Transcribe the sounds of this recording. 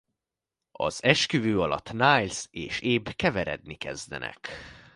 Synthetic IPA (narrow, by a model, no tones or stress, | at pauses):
ɒ̰z̥ɛʃkyvøːɒlɒt̪ːnaːjlseːʃeːbkɛvɛɾɛd̪nikɛzd̪ɛ̰nɛ̰k